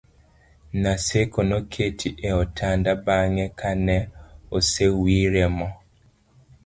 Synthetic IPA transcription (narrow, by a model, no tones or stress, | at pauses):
nasekonokʰetʰiʔɛɔtʰandabaŋɛkʰanɛosewiɾɛmɔ